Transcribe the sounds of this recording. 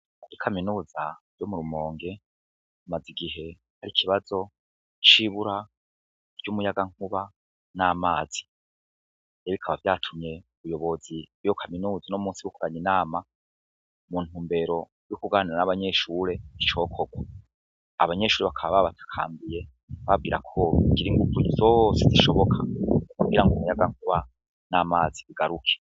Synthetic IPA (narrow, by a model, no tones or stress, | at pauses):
ikʰaminuːza | jomuɾumo̞ːŋɡe̞ | maziɡiɦe̞ | haɾikʰiβazo̞ | t͡ʃiβuɾa | ɾɟumujaɡaŋ̥huβa | naːmaːz̥i | eβikʰaβavjaːtʰumɲe̞uβujo̞βo̞zijokʰaminuːzanomuːnsiβukoɾaɲinaːma | muːn̥uːmbe̞ɾo̞ | jukuɡaniɾanaβaɲe̞ʃuːɾe̞it͡ʃo̞ːkʰoɡwa | aβaɲe̞ʃuːɾeβakʰaβaβaβatʰḁkʰa̰ːmbije̞ | βab̚ɡiːɾa̰kʰo̞ɡiɾiŋɡuvuizoseziʃo̞βo̞kʰakuɡiɾaŋɡumujaɡaŋ̥huβa | namaːziiɡaɾukʰe̥